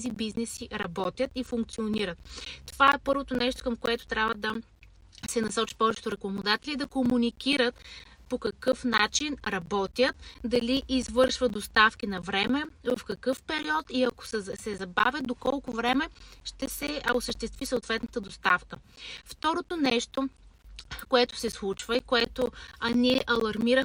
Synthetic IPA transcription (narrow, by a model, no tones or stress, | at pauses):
zibiznɛsiɾɐbɔt̪ʲjət̪ifuŋk̚t̪sioniɾət̪̚t̪ːovaɛpɤɾvot̪onɛʃt̪o̥kɐmkoɛt̪ʊ̥t̪ɾʲabvəd̪ɐ | sɛnɐsɔt͡ʃi̥pɔvɛt͡ʃɛ̥t̪ʊɾɛkomod̪at̪ɛlid̪ɐkomunikiɾət̪ | pokɐkɤfnat͡ʃinɾɐbɔt̪ʲjət̪d̪ɐliʔizvɤɾʃvəd̪ost̪afkʲinɐvɾɛmɛvɐfkɐkɤfpɛɾiɔt̪iɐko̥ssɛzɐbavʲjət̪̚d̪okɔlˠkovɾɛmɛʃt̪ɛsɛosəʃt̪ɛst̪visəʊt̪vɛt̪nət̪əd̪ost̪afkəft̪ɔɾot̪onɛʃt̪o | koɛt̪o̥sɛslˠut͡ʃvəikoɛt̪oɐniɛʔɐlˠɐɾmiɾəx